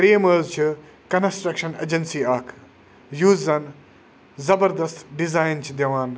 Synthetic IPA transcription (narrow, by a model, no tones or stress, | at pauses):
ɾeːmɐːzt͡ʃʰi | kɐnsʈɾɐkʃɐnḛːd͡ʒɐnsiːaːkʰ | juːzːɐn | zɐbɐɾd̪ɐst̪ɖizaːjnt͡ʃʰid̪ɐʋaːn